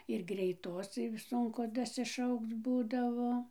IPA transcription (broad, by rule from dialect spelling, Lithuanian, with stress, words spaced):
ɪr ɡrʲɛɪˈtoːs ˈsʊŋkʊ dɐsʲɪˈʃɐʊkt͡s ˈbuːdɐʋoː